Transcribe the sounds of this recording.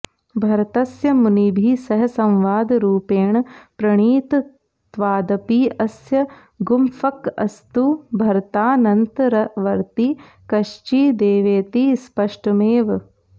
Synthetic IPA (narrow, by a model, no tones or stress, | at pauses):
bʱɐɾt̪ɐsjɐmunibʱisɐɦɐsɐ̃mʋaːd̪ɾuːpeːɳpɾɐɳiːt̪ | t̪ʋaːd̪ɐpiːɐsjɐ | ɡumfɐkɐ̰st̪ubʱɐɾt̪aːnɐnt̪ɐɾɐʋɐɾt̪i | kɐʃt͡ʃiːd̪eːʋeːt̪ispɐʂʈɐmeːʋ